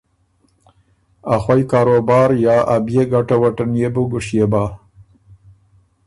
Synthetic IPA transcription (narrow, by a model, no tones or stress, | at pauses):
axwajkɑːɾobɑːɾjɑːʔabjeɡaʈawaʈanjebʊɡʊʂjebɑ